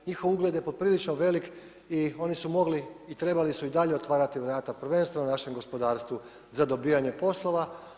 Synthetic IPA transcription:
ɲixoʋuɡled̪je̞pod̪̚pɾilit͡ʃnoʋe̞lik | io̞nisumo̞ɡliit̪ɾe̞balisuid̪aʎe̞ot̪ʋaːɾat̪iʋɾaːt̪apr̩ʋe̞nst̪ʋenonaʃe̞mɡo̞spo̞d̪aːɾst̪ʋu | zad̪o̞biːjaɲe̞po̞slˠo̞ʋa

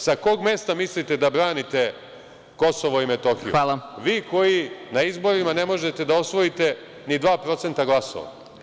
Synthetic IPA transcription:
sako̞ːɡme̞st̪amislit̪e̞d̪abɾaːnit̪e̞ | ko̞so̞ʋoime̞t̪o̞xiualʋiːko̞jinaizbo̞ɾimane̞mo̞ʒe̞t̪e̞d̪ao̞sʋo̞it̪e̞ | nid̪ʋaːpɾo̞t̪se̞nt̪aɡlˠaso̰ʋa̰

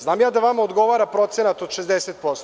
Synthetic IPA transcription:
znaːmjaːd̪aʋamaod̪ɡo̞ʋaːɾapɾo̞t̪senat̪od̪ʃezd̪eset̪̚po̞st̪

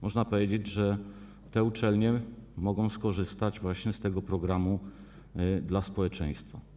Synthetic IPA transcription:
mɔʐnapɔvʲjed͡ʑed͡ʑʐɛ | t̪ɛut͡ʂɛlɲɛmɔɡɔ̃w̃skɔʐɘst̪ad͡ʑvwaɕɲɛst̪ɛɡɔpɾɔɡɾamu | d̪laspɔwɛt͡ʂɛ̃j̃st̪fa

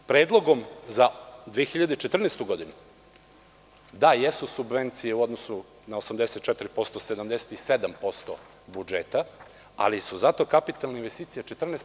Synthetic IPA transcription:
pɾe̞ːd̪lˠo̞ɡo̞mzad̪ʋiexiʎad̪et͡ʃet̪r̩neːst̪uɡo̞d̪inu | d̪ajesusubʋe̞nt̪sijeuo̞d̪nosu | naosamd̪eset̪̚t͡ʃɛt̪iɾipo̞st̪osed̪amd̪ese̥t̪ised̪ampo̞st̪o̰ | bud͡ʒet̪a | a̰lisuzat̪o̞kapit̪alneinʋe̞st̪iːt̪sijat͡ʃet̪r̩neːs

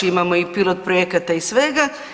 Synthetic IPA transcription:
imamoipilot̪̚pɾojekat̪aisʋe̞ɡa

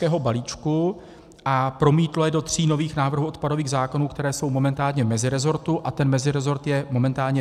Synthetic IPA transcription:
kɛːɦo̞baliːt͡ʃku | ʔapɾo̞miːt̪lojɛdo̞t̪r̝̥iːno̞viːxnaːvr̩ɦuʔo̞t̪̚pado̞viːɣzaːko̞nuːkt̪ɛɾɛːso̞wmo̞mɛnt̪aːlɲɛmɛzɪɾɛzo̞ɾt̪uʔat̪ɛnmɛzɪɾɛzo̞ɾt̪jɛmo̞mɛnt̪aːlɲɛ

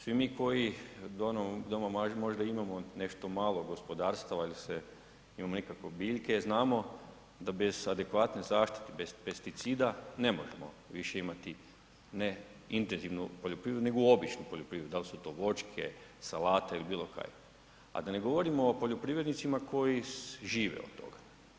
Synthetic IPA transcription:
sʋimiko̞jid̪onod̪omamaʒmo̞ʒd̪aimamo̞ne̞ʃt̪o̞maːlˠo̞ɡo̞spo̞d̪aːɾst̪aʋailse | imamonikakʋobiːʎke̞znaːmo̞ | d̪abe̞z̥ad̪e̞kʋaːt̪nezaːʃt̪i̥t̪ebezpest̪it̪siːd̪ane̞mo̞ʒemo̞̰ | ʋiʃe̞imat̪i | neint̪enziʋnupoʎopɾiʋɾed̪une̞ɡoo̞bit͡ʃnupoʎopɾiːʋɾed̪d̪alisut̪o̞ːʋo̞t͡ʃkʰḛsalaːt̪eilibiːlˠo̞ka̰ːje | a̰d̪ane̞ɡo̞ʋo̞ɾimoːpo̞ʎopɾiːʋɾed̪nit̪simako̞jiʒiːʋḛo̰t̪̚t̪ːo̞̰ɡḁ

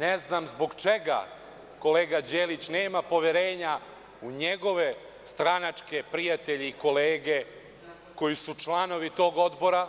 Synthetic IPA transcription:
neznaːmzboɡt͡ʃeɡa̰ | ko̞leːɡad͡ʑeːlit͡ɕneːmapo̞ʋeɾe̞ːɲa | uɲeɡo̞ʋe̞ | st̪ɾanat͡ʂke̞pɾijat̪e̞ʎiiko̞leːɡe̞ | ko̞jisut͡ʃlˠano̞ʋit̪o̞ːɡo̞d̪bo̞ɾa

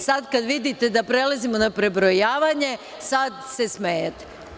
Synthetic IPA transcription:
sad̪kad̪ʋid̪it̪e̞d̪apɾe̞lazimo̞napɾe̞bɾojaːʋaɲe̞ | sad̪se̞smejet̪e̥

